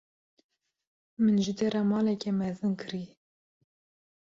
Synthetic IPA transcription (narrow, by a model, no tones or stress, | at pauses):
mɨnʒɨd̪eɾɑmɑːlɛkɛmɛzɨnkʰɨɾi